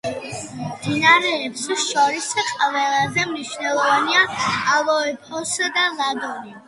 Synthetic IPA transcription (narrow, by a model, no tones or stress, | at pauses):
md̪inaɾɛːpsʃɔɾisqʼvɛlˠazɛmniʃvnɛlˠɔvaniaːlˠɔɛpʰɔsd̪alad̪ɔni